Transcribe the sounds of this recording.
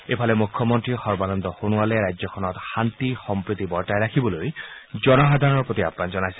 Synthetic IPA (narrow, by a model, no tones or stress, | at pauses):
epʰalɛmukʰːɔmɔntɹixɔɹbanɔnd̪ɔxonʊalɛɹajzɔkʰɔnɔtxant̪ixɔmpɹut̪ibɔɹtajɹakʰibɔlojzɔnɔxad̪ʱaɹɔɔɹpot̪ia̰pnanzɔnajsɛ